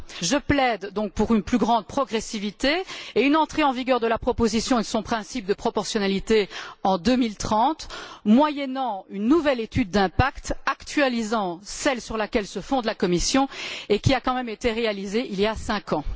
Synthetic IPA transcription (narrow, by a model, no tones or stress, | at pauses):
ʒəplɛd̪ːɔ̃k̚puʁynplyɡʁɑ̃d̪̚pχɔɡʁesivit̪eːynɑ̃t̪χeɑ̃viɡʲœʁd̪əlapχɔpozisjɔ̃ed̪əsɔ̃pχɛ̃sip̚d̪əpχɔpɔʁsjɔnalit̪eɑ̃d̪ømilt̪χɑ̃t̪mwajɛnɑ̃ynːuvɛlet̪yd̪̚ːɛ̃pakt̪akt̪ɥalizɑ̃sɛlsyʁlakʲɛlsəfɔ̃d̪lakɔmisjɔ̃ekʲiakɑ̃mɛmet̪eʁealizeʔiljasɛ̃kʰɑ̃